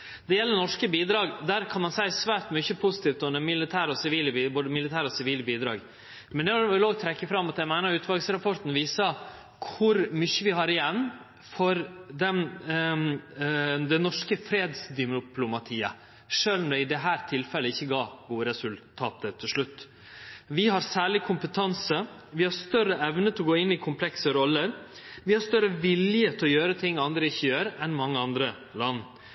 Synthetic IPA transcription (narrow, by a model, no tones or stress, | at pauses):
d̪ɛjɛlːənɔʂkəbiːd̪ɾɑːɡd̪æːɾkʰɑnmɑnsæɪsʋæːʈ̪mʏçəpʰʊsɪ̥t̪iːft̪ɔnəmɪlɪt̪ʰæːɾɔsɪʋiːləbiːboːd̪əmɪlɪt̪ʰæːɾɔsɪʋiːlbiːd̪ɾɑ̰ːɡ | mɛnd̪ɛʋɪloːɡ̚t̪ʰɾɛkːəfɾɑmːɑt̪ɛmæɪnɑʉːt̪ʋɑlɡsɾɑpʰɔʈ̪n̩ʋiːsɑ | kʰʊɾmʏçːəʋɪhɑɾɪjɛnː | fɔɾd̪ɛn | d̪ɛnɔʂkəfɾeːd̪sd̪ɪmʊpʰlʊmɑt̪ʰiːə | ʂøːlnɔd̪ɛɪd̪ɛɦæːɾt̪ʰɪlfɛlːəɪçːəɡɑːbuːɾɛsʉlt̪ʰɑːt̪ət̪ʰːɪlʂɭʉt̪ː | ʋɪɦɑɾsæːɭɪkʰʊmpət̪ʰɑnsəʋɪhɑɾst̪œɾəɛʋnət̪ʰɛɔɡoːɪnːɪkʰʊmpʰlɛksəɾɔlːəɾ | ʋɪhɑɾst̪œɾəʋɪljət̪ʰɪɔjøːɾət̪ʰɪŋːɑnd̪ɾəɪçːəjøːɾɛnmɑŋːəɑnd̪ɾə | lɑnː